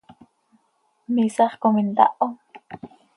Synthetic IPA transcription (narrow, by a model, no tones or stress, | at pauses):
misɑχkomint̪ɑ̰ʔo